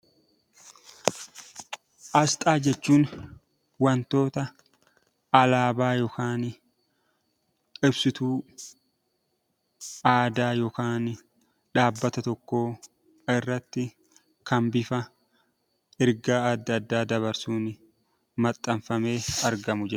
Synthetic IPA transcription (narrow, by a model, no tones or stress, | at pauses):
ʔɐst̪ʼaːd͡ʒɛt͡ʃːuːn | wɐnt̪o̞ːt̪ɐ | ɐlaːbaːjɔkaːn | kʼɪbsɪt̪uː | ʔaːd̪aːjoːkaːn | ᶑaːbːɐt̪ɐt̪ɔkːo̞ː | ɪrːɐt̪ːɪ | kʰɐmbɪfɐ | ɪɾɡaːɐd̪ːɐd̪ːaːd̪ɐβɐɾsuːn | mɐt̪ʼːɐɱfɐme̞ːɐɾɡɐmʊd͡ʒɛ